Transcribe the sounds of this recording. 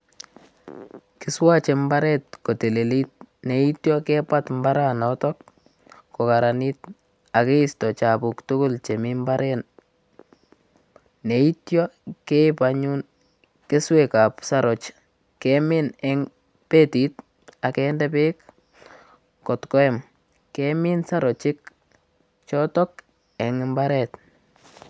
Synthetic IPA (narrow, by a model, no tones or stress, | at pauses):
kɪswat͡ʃembaɾɛt̚kotelelit̚neitjɔkɛpatmbaɾanɔtɔk̚ː | okaɾanit | akeistɔt͡ʃapuktʊkʊlt͡ʃemɪmbaɾʔɛn | neitjɔkeɪpaɲun | kɪswekapsaɾɔt͡ʃ | kemɪnɛŋ | petit̚ | akɛndɛpɪk | kɔtkɔɛm | kemɪnsaɾɔt͡ʃɪk | t͡ʃɔtɔk̚ | ɛŋɪmbaɾɛt